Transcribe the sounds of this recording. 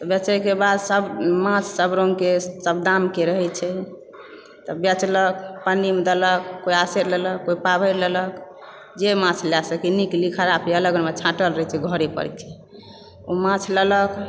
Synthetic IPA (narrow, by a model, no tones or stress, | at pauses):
tt̪ɔbɛt͡ʃəjkebad̪səbmãt͡ʃʰsəbɾoŋɡkesəb̚d̪amkeɾəɦɛt͡ʃʰɛ | t̪ɔbɛt͡ʃlək̚pənimed̪ələk̚ːoiaseɾlələkːoipabʱəɾlələk | d͡ʒemãt͡ʃʰljasəkiniklikʰəɾapʰeələɡənmet͡ʃʰãʈəlɾəɦɛt͡ʃʰɛɡʱəɾepə̰ɾkʰe | omãt͡ʃʰlələk